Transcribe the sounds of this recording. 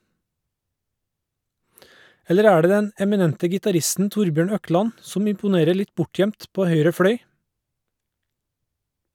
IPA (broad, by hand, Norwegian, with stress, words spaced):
ˈɛləɾ ˈæː ˈɖeː ˈdɛn ɛmɪˈnɛntə ɡɪtɑˈɾɪstn̩ ˈtʊɾbjøːɳ ˈœˌklɑn ˈsɔm ɪmpʊˈneːɾə ˈɭɪt ˈbʊˌʈjœmt ˈpoː ˈhœʏɾə ˈfɽœʏ